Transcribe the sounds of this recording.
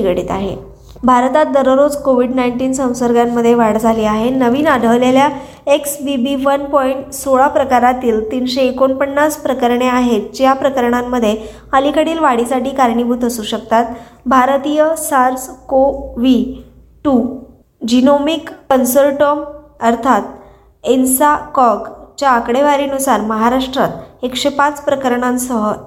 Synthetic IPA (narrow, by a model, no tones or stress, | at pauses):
iɡɽiːt̪aɦḛ | bʱaɾt̪at̪̚d̪əɾəɾod͡zkoʋiɖnajiɳʈiːnsə̃w̃səɾɡjamːəd̪ʱːjeʋaɽd͡zʱaliːaɦenəʋiːnaɽʱəʋlelja | eksbibiʋənpɔiɳʈsoɭapɾəkaɾat̪iːlt̪iːnɕeːkonpənːaspɾəkəɾɳeaɦet̪̚d͡ʑjapɾəkəɾɳamːəd̪ʱːje | əlikəɽiːlʋaɽisaʈiːkaɾɳibʱut̪əsuːɕək̚t̪at̪bʱaɾt̪ijəsaɾskoʋi | ʈu | d͡ʑinomikːənsəlʈoməɾt̪ʰat̪ | ensakɔɡt͡ɕjaːkɽeʋaɾiːnusaɾməɦaɾaʂʈɾat̪ekɕepat͡spɾəkəɾɳãnsəɦə